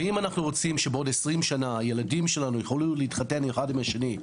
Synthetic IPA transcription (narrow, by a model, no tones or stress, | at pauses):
imanaχnuʁo̞t͡simʃebeo̞desʁimʃanaje̞ladimʃe̞lanujeχoluleitχate̞nexadimaʃeni